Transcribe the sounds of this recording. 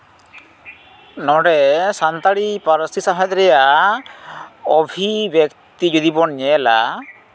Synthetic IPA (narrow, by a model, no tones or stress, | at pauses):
nɔɽɛsant̪aɽipaɾɔsisaɦad̪ɾɛja | ɔbʱibjektt̪id͡ʒud̪ibɔɳɲɛla̰